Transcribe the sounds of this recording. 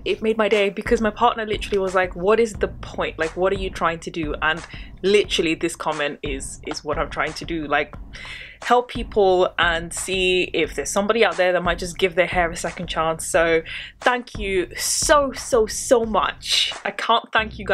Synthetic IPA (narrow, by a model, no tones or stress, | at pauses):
ɪt̚meɪd̚maɪdeɪbɨkʰʌzmaɪpʰɑɹʔⁿnə˞lɪtə˞l̩ˠiwʌzlaɪkwʌɾɨzðəpʰɔ̃ɪ̃nʔlaɪkwʌɾə˞jɨtʰɹ̥aɪɪ̃ŋtʰɨdɨə̃n | lɪɾə˞l̩ˠiðɪskʰɑmɛ̃ntɪz̥ɪzwʌɾãɪ̃mtʰɹ̥aɪɪ̃ŋtʰɨdɨlaɪk | hɛlˠpʰːipʰl̩ˠʔə̃nsiɪfðə˞z̥sʌ̃mbɾiaʊt̪̚ðə˞ðət̚maɪt̚d̥ʒ̥ʌs̬ɡ̥ɪvðə˞hɛɹɨsɛkn̩t͡ʃʰæ̃nsoʊθæ̃ŋkʰjɨsoʊsoʊsoʊmʌ̰t͡ʃaɪkʰæ̃nθæ̃ŋkʰjɨɡ